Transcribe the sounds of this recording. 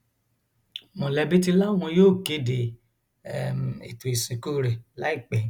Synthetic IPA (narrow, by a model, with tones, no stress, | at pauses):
mɔ̃˨lɛ˧bi˦ti˧la˦˨w̃ɔ̃˧joː˦˨ke˨˦de˨ | ḭ˨tu˨i˨sĩ˨ko˦˨ɾe˨la˨˦i˦˨k͡pɛ˨˦